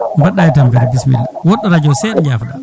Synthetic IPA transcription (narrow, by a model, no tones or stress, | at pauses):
mbaɗajitampɛɾbismḭlwɔɗːaɾad͡ʒɔsɛɗɛɲd͡ʒaːfaɗa